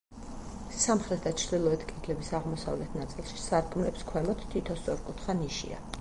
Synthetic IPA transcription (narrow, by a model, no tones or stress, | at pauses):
samχɾɛt̪̚ʰd̪at͡ʃʰɾd̪ilˠɔɛt̪ʰkʰɛt̪ʰlɛbisaʁmɔsa̰vlɛt̪ʰnat̪sʼilˠʃi̥saɾɡumlɛpskʰwɛmɔt̪ʰt̪ʰːwit̪ʰɔst̪sʼɔɾkʼut̪ʰχaniʃḭa̰